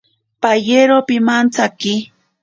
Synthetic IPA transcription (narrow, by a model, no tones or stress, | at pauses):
pajeɾopɪmant͡sakɪ